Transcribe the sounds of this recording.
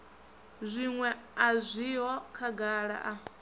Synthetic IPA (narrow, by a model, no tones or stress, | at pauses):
zʷiŋwɛazʷiɦɔkʰaɡaɺa̰ʔa